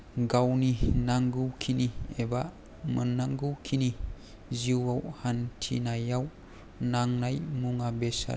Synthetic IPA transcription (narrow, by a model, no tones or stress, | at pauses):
ɡawninaŋɡɯwkʰinieba | mənːaŋɡɯwkʰini | ziwawhantʰḭnajaw | naŋnajmuŋabesa̰